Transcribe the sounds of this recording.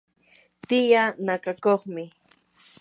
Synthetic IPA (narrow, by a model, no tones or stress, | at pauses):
t̪ɪjanakakoχmɪ